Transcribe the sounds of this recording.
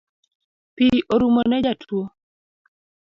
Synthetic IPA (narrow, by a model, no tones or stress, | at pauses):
piʔoɾumonɛd͡ʒatʰwo